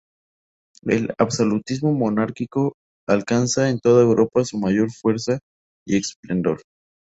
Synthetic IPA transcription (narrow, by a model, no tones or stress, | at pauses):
ḛla̰βso̞lut̪izmo̞monaɾkiko̞ | alkansae̞nt̪o̞ðae̞wɾʔo̞pasumaʝo̞ɾfwe̞ɾsa | ḭe̞ksple̞nd̪o̞̰ɾ